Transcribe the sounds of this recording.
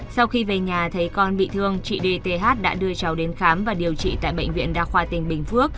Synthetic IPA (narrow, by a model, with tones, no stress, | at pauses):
sa˧wxi˧ve˨˩ɲaː˨˩t̪ʰə˨˦jkɔ˧nɓḭ˧˨t̪ʰɨ˧əŋt͡ɕḭ˧˨ɗe˧t̪e˧ɦaː˦˥t̚ɗa̰ː˧˥ɗɨ˧ət͡ɕa˨˦wɗe˨˦nxaː˨˦mvaː˨˩ɗi˨˩əwt͡ɕḭ˧˨t̪a̰ː˧˨jɓə̰˧˨jŋ̟vḭ˧˨ənɗaː˧xwaː˧t̪ï˨˩ŋ̟ɓï˨˩ŋ̟fɨ˦˥ək̚